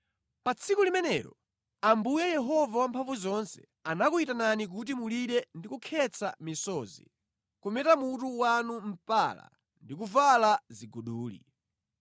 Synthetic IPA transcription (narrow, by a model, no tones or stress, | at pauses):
pat͡sʰikulimɛnɛ̰ɾɔ̰ | ambujɛjɛɦɔvawampʰaɱvuzɔnsɛ̰ | anakuitananik̬ut̬imuliɗɛndikukʰɛt͡sʰa̰misɔːzḭ | kumɛtamutuwanum̩pa̰la̰ | ndikuvalaziɡuɗuːlḭ